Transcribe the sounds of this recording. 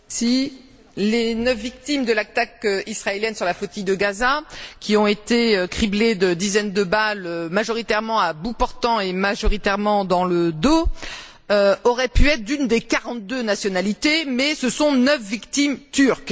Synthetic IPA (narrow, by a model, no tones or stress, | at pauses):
si | lenəfvik̚t̪imd̪əlat̪akøisχaeljɛnsyʁlafot̪ijd̪əɡazakʲiɔ̃et̪eøkχibled̪əd̪izɛnd̪əbalømaʒɔʁit̪ɛʁmɑ̃abupɔʁt̪ɑ̃emaʒɔʁit̪ɛʁmɑ̃d̪ɑ̃ləd̪o | øɔʁɛpyɛt̪χd̪ynd̪ekaʁɑ̃t̪̚d̪ønasjɔnalit̪emɛsəsɔ̃nœfvikt̪imt̪yʁk